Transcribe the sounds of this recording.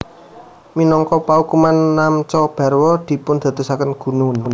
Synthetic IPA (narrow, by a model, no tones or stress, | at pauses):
minɔŋkɔpaukumanːamt͡ʃɔb̥a̤rwɔd̪̥i̤pʊnd̪̥a̤t̪usakənɡ̥ṳnunn